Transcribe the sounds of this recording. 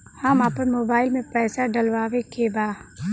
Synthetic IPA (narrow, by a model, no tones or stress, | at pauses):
hamaːpəɾmoːbaːɪlmẽpɾɛːsaɖɐlʋaːʋekebaː